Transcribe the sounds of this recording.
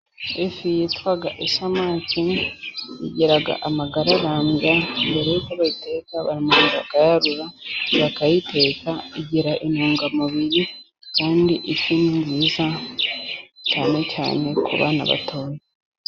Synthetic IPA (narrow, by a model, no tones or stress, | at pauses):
efijitwaɡaʔesamaːci | iɟeɾaɡa̰ʔamaɡaɾaɾaːmɡambeɾeitaβaite̞ːkaβa̰ɾimanβakajaɾuɾaβakajitʰe̞ːkaiɟiɾaʔenoːŋɡamaβiɾi | kaːndiʔeciːniɲɟiza | caːne̞ca̰ːne̞kʰṵβa̰ːna̰βa̰tʰoːɾe